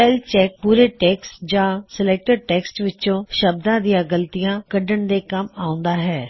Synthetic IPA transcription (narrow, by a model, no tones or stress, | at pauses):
pɛːlt͡ʃɛːk̚puːɾeːʈɛːksd͡ʒãːsəleːk̚ʈəɾʈɛːksʈʋɪt͡ʃõːʃəb̚d̪ãːd̪ɪjãːɡəlt̪ijãːkəɖəɳd̪eːkəmaːʊ̃nd̪aːɦɛː